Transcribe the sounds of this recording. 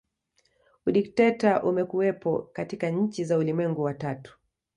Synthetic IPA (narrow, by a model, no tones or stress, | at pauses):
uɗik̚tɛtaʔumɛkuwɛpɔ̰katikaɲ̩t͡ʃizaulimwɛŋɡuwatatu̥